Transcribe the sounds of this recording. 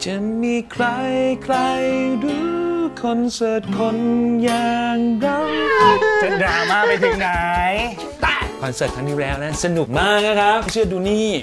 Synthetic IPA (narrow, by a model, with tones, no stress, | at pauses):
t͡ɕa˨˩miː˧kʰɾa˧jkʰɾa˧jɾuː˧˦kʰɔ˧nsɤː˨˩t̪̚kʰo˧njaː˨˩ŋɾa˧˩wsa˨˧˦daː˨˧˩maː˥˩ma˧jt̪ʰiː˧˩ŋna˦j | t̪a˧˩kʰɔː˨˧nsɤː˨˩t̪̚ʰa˧ŋniː˦˥lɛː˦˥wna˦˥sa˧nu˨˩k̚maː˥˩k̚na˦˥kʰɾa˦˥p̚t͡ɕʰɯ˥˩ɐduː˧niː˥˩